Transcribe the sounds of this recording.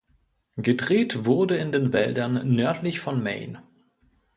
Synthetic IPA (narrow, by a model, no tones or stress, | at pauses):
ɡ̥ədʁeːtv̥ʊɐdəɪndeːnvɛldɐnːœɐtʰlɪçfɔnmɛ̰ɪn